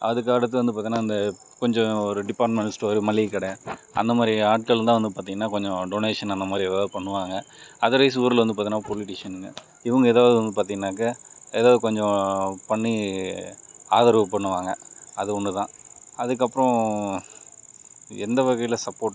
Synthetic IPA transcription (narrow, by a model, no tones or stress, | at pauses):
ɐðɯk̬ːaːɽɐt̪̬ːɯʋɐnd̪ɯp̬aɾt̪iŋnaːɪnd̪ɐ | kɔɲd͡ʒɔ̃ɔɾɯɖɪpːaːɾʈmɛɳsʈʋɐɾɯmɐlːɪkːɐɽɐjãɐ̰nd̪ɐmaːd̪ɾiaːʈ̚kɐɭt̪ãːʋɐnd̪ɯpaːɾt̪iŋɐnːaːkɔɲd͡ʒɔ̃ɖoːneːʂɐnɐnd̪ɐmaːd̪ɾieːðaːʋɐðɯpɐɳːɯʋaːŋɡɐ | ɐðɯɾɐɪs̬uːɾɯlʋɐnd̪ɯpaːɾt̪iːnːaːpɔlɪʈɪʂɐnɯɡɐ̰ | ɪʋɐŋɡɐeːðaːʋðɯʋɐnd̪ɯpaːɾt̪̬iŋɡɐnːaːk̬ɐeːðaːʋðɯkɔɲd͡ʒɔ̃pɐɳːi | aːðɐɾʋɐpːɐɳːɯʋaːŋɡɐɐðɯɔɳːɯt̪ãːɐðɯk̬ːɐpːɯɾɔ̃ | ɛnd̪ɐʋɐɣɐjɪlɐsɐpːoːʈ